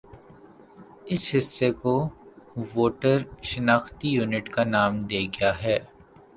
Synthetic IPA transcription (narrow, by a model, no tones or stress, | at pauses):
ɪsɦɪsːeko | ʋoːʈəɾʃɐnaːxt̪ijuːnɪʈkanaːmd̪eːɡɪjaɦɛː